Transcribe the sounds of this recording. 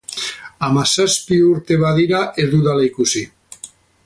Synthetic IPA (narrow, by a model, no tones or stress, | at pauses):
amasaspiuɾt̪eβaðiɾaʔezðuðalejkusi